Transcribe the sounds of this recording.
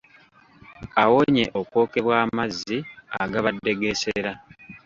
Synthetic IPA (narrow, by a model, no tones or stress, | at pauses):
awoɲe̞ʔo̞kwo̞ːke̞βwaːmazːiaɡaβadːe̞ɡe̞se̞ɾa